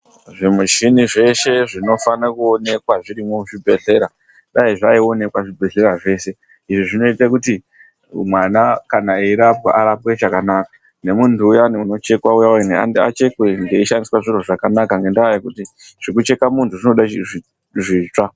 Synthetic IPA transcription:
ʐimuʃiniʐe̞ʃe̞ʐino̞fanakuone̞kwaʐiɾimoʐibʱe̞ɮe̞ɾa | ɗaiʐaio̞ne̞kwaʐibʱe̞ɬe̞ɾaʐe̞ːse̞ | iʐiʐino̞itakuti | mwanakanaeiɾapɡa̰ʔaɾap̚we̞ʐakanakḁ | ne̞muntʰuːjaneuno̞t͡ʃe̞kwaujanea̰ndia̰t͡ʃe̞kwe̞ŋɡe̞iʃandiswaʐiroʐakanakaŋɡe̞ndaajkuti | ʐ̥ikut͡ʃe̞kamuntuʐino̞ɗaii | ʐiːt͡ʂa

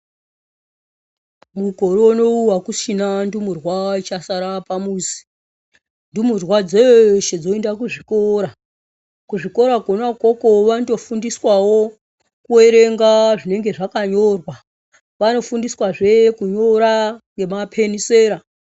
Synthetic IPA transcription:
muko̞ɾoːno̞uwakusinandumurwait͡ʃasaɾapamusi̥ | ndumurwad͡zoʃed͡zo̞endakuʐiko̞ɾa | kuʐiko̞ɾaɡʱonako̞ko̞ʋando̞fundiswawo̞ | kue̞ɾe̞ŋɡaʐine̞ŋɡe̞ʐakaɲo̞rwa | ʋano̞fundiswaʐe̞kuɲo̞ɾaŋɡe̞mapʰe̞niseːɾa

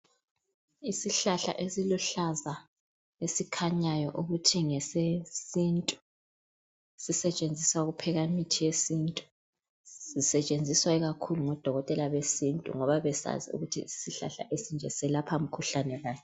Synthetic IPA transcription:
isiɬaɬa̰ʔesiluɬaza | esikʰaɲajɔʔuɣutʰiŋɛsesintʼu̥ | sisɛt͡ʃʼend͡zʱiswaɣupʰɛɣaimitʰijesintʼu̥ | sisɛt͡ʃʼend͡zʱiswaiɣakʰuluŋɔd̥ʱɔɣɔtʼɛlaβesintʼṵŋɔβaβɛsa̰zḭṵɣutʰḭisiɬa̰ɬa̰ʔesind͡ʒʱɛsɛlapʰam̩kʰuɬanɛɣaːɲɛ

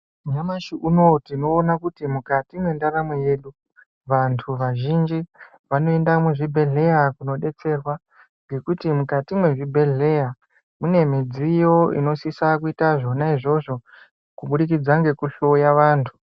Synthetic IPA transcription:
ɲamaʃiʔuno̞tino̞ːnakutimukatimwe̞ndaɾamweje̞ːɗu | ʋantʰuʋaʒind͡ʒi | ʋano̞e̞ndamuʐibʱe̞ɮe̞jakuno̞ɗe̞t͡se̞rwa | ŋɡe̞kutimukatimwe̞ʐibʱe̞ɮe̞ja | mune̞mid͡zijo̞ḭno̞sisakuitaʐo̞naiʐo̞ʐo̞ | kuɓuɗik̬id͡zaŋɡe̞kuɬo̞jaʋaːntʰu̥

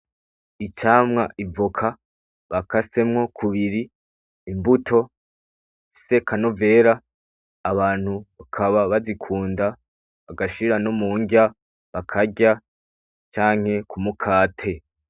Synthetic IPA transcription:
it͡ʃaːmŋaʔivokʰa | βakase̞mŋo̞kʰuβiɾiː | mbutʰo̞ | ifi̥se̞kʰanove̞ːɾaː | βaːn̥huβakʰaβaβazikʰuːnda | βaɡaʃiɾanomuːɲɡa | βakʰaɟa | t͡ʃaːŋ̥he̞kumukʰaːtʰe̞

